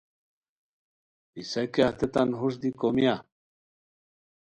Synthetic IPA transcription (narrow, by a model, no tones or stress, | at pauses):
isɐkeaht̪et̪anɦuʂ̬d̪ikomia